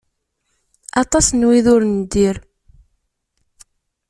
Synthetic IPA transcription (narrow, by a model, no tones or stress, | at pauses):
ɑt̪ˤɑsnwiðʊɾnd̪ːiɾ